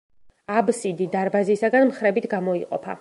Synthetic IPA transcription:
absid̪id̪aɾbazisaɡanmχɾɛbit̪ʰɡamɔiqʼɔ̰pʰa̰

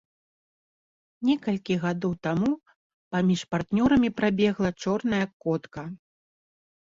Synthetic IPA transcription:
nʲɛkɐlʲkʲiɣad̪ɔwt̪amu | pamʲiʂpart̪nʲɔɾɐmʲipɾabʲɛɣlˠɐt͡ʂɔrnɐjɐkɔt̪kɐ

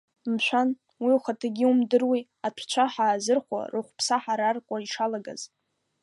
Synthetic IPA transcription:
mʃʷan | wiuwχatʰaɡʲɪumdɨrwi | atʷʰt͡ʃʷʰaħaːzɨrχʷa̰rɨχʷpʰsaħaɾarkʷʼaiʂalaɡa̰z

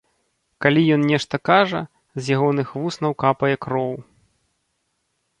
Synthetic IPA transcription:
kalʲijɔnnʲɛʂt̪ɐkaʐɐ | zʲjaɣɔnɨxvusnɐwkapɐjɛkɾɔw

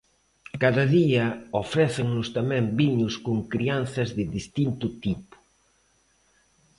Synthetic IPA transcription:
kaðɐðiɐofɾɛθɪŋnʊst̪amɛ̃mbiɲʊskʊŋkɾianθɐzðɪðist̪int̪ʊt̪ipʊ̥

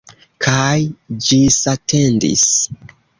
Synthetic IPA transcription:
kʰajd͡ʒisatʰe̞ndḭs

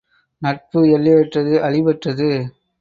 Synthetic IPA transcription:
nɐʈ̚pɯɛɭːɪɐʈrɐðɯʔɐɻɪbɐʈrɐðɯ

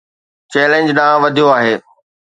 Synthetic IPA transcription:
t͡ɕɛːlẽnd͡ʑɗãːʋɐd̪ʱijoaːɦeː

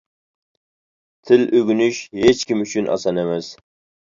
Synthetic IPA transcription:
t̪ʰɪlʔøɡʲynyʃhet͡ʃkʲimyt͡ʃʰynʔɑ̰sɑnemɛs

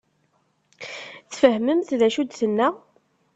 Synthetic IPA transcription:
θfəhməmθðæʃud̪θənːæ

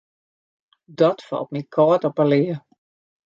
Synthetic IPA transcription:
dɔtfɔ̰lˠt̚mikʰɔːtɔpəlɪə

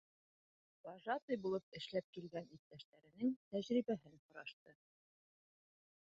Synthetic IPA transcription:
b̪ɑʒɑt̪ɤjbulˠɤp̚ɘ̆ʃlæp̚kilɡænit̪̚t̪ːæʃt̪æɾɘ̆nɘŋt̪æʑɾiβæɦɘnhŏɾɑʃt̪ɤ

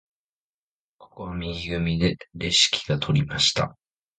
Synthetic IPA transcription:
kʰo̞̥ko̞βamʲiɡʲiɡɯ̟mʲid̪e̞ɾe̞ɕi̥kʲʰi̥ɡ̥at̪ʰo̞ɾʲimaɕi̥t̪a̰

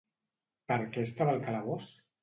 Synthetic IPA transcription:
pəɾkeːst̪aβalkalaɣ̞os

